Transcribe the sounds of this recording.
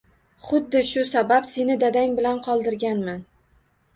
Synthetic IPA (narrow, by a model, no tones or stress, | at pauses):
χʊd̪ːɪʃʊsabapsenɪd̪ad̪aŋbɪlanqʰɒlˠd̪ɪɾɡʲanman